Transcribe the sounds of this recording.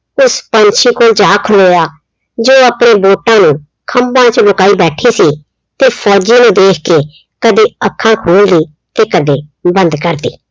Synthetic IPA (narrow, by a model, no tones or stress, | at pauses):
ʊspəɲt͡ʃʰiːkoːld͡ʒaːkʰəloːjaː | d͡ʒoːəpɽ̃eːboːʈãːnũː | kʰəmbãːt͡ʃlʊkaːiːbɛːʈʰiːsiː | t̪eːpʰɔːd͡ʒiːnũːd̪eːkʰkeː | kəd̪eːəkʰːãːkʰoːld̪iː | t̪eːkəd̪eːbənd̪kəɾd̪ḭː